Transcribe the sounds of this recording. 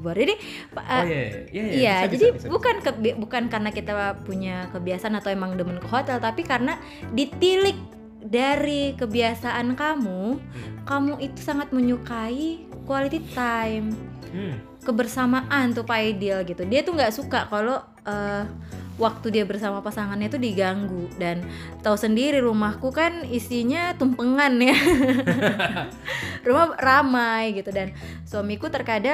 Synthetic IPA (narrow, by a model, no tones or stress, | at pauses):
baradi | paʔə | ijad͡ʒadibukankəbbukankarənakit̪apuɲakəbiasaʔanat̪awemaŋdəmənkəɦot̪ɛlt̪apikaɾəna | dit̪ilɪk̚ | daɾikəbiasaʔankamukamuit̪u̥saŋat̪̚məɲukaikualit̪it̪ajm | kəbərsamaʔant̪upaidilɡit̪udiat̪uŋɡaʔsukakalo | ə | wak̚t̪udiabərsamapasaŋanɲat̪udiɡaŋɡudan | t̪ausəndiɾiɾumahkukanisiɲat̪umpəŋanja | rumahramajɡit̪udan | swamikut̪ərkada